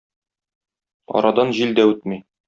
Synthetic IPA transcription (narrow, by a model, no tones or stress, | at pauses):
ɒ̰ɾɑd̪ɑnʑild̪æʉt̪̚mi